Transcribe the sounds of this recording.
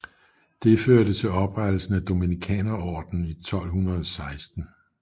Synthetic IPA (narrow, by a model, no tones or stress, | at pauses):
d̥e̝føɐɾ̥ət͡sʰe̝lɒ̽b̥ʁad̥l̩sn̩æd̥o̝minikʰɛ̰ːnɐɒ̰ːd̥n̩it͡sʰɒ̽l̰ɦunʁɐðˠɒsɑ̈ɪsd̥n̩